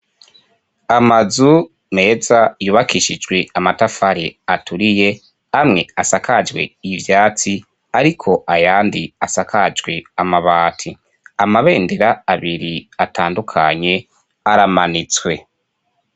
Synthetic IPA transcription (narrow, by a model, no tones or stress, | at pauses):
amazu | me̞ːzajuːβakʰiʃid͡ʒɡwe̞amatafaɾiatuɾije̞ | amŋe̞asakad͡ʒwe̞̰ivjaːt͡si | aɾikʰo̞ʔajaːndiasakʰad͡ʒɡwe̞amaβaːtʰi | amaβe̞ːndeɾaaβiɾiatʰaːndukʰa̰ɲe̞ | aɾamanit͡swe̞